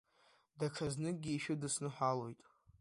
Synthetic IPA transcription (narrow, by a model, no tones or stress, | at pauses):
daʈ͡ʂʰaznɨɡʲiːʃᶣɪdɨsnɨħʷalo̞jtʼ